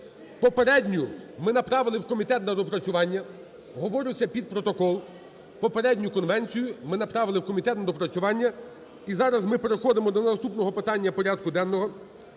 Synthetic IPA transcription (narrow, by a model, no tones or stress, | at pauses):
pɔpeɾɛdʲnʲʊmɪnɐpɾɑʋɪlˠɪwkɔmʲit̪ɛt̪nɐd̪ɔpɾɐt͡sʲʊʋɑnʲːɐ | ɦɔʋɔɾʲʊt͡sʲːɐpʲid̪̚pɾɔt̪ɔkɔlˠ | pɔpeɾɛdʲnʲʊkɔnʋɛnʲt͡sʲijʊmɪnɐpɾɑʋɪlˠɪwkɔmʲit̪ɛt̪nɐd̪ɔpɾɐt͡sʲʊʋɑnʲːɐ | izɑɾɐzmɪpe̞ɾexɔd̪emɔd̪ɔnɐst̪upnɔɦɔpɪt̪ɑnʲːɐpɔɾʲad̪kʊd̪ɛnːɔɦɔ